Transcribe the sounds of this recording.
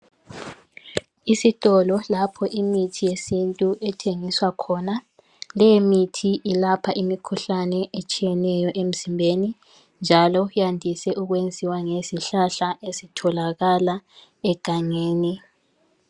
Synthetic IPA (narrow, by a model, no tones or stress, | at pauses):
isitʼɔlɔlapʰɔʔimitʰijesintʼuʔɛtʰeŋiswakʰɔna | lɛjemitʰiʔilapʰaʔimikʰuɬanɛʔet͡ʃʼijɛnɛjɔʔem̩zimbʱeni | nd͡ʒʱalɔjandʱisɛʔuɣwend͡zʱiwaŋesiɬaɬaʔesitʰɔlaɣala | ɛɡ̥ʱaŋeːni